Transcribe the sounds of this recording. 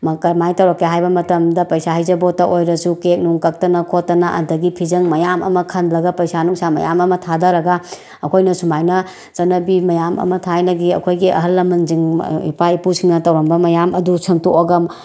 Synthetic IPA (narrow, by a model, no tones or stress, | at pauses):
mkɐɾmajtɐwɾɐkːeɦajbɐmɐtɐmdɐpɐjsaɦɐjzɐbotːɐʔojɾɐsukek̚nuŋkɐk̚tɐnɐkʰotːɐnɐʔɐ̰ndɐɡipʰizɐŋmɐjamɐ̰mɐkʰɐndlɐɡɐpɐjsanuŋsʰamɐ̰jamɐmɐtʰadɐɾɐɡɐ | ɐkʰojnɐsumajnɐ | sɐnɐbimɐjamɐ̰mɐtʰajnɐɡiɐ̰kʰojɡiʔɐ̰ɦɐlːɐmɐnziŋḭpaipusiŋnɐtɐwɾɐmbɐmɐjamʔɐdusʰɐmtoʔoɡɐm